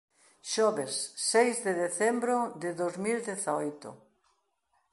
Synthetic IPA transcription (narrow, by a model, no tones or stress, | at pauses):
ʃɔβesːejzðɪðeθembɾod̪ɪðozmild̪eθaojt̪ʊ̰